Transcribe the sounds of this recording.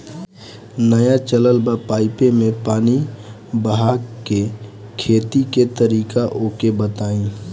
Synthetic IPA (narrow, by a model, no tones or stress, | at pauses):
nəjat͡ʃələlbapaːɪpemẽpaːni | bəɦaːke | kʰeːt̪iket̪əɾiːkaʔoːkebət̪aːĩː